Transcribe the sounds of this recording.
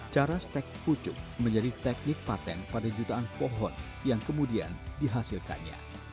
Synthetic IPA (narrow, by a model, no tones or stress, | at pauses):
t͡ʃaɾast̪ɛk̚put͡ʃʊk̚məɲd͡ʒadit̪ɛk̚nɪk̚pat̪ɛnpadad͡ʒut̪aːnpɔɦɔn | jaŋkəmudia̰ndiɦasilka̰nɲa̰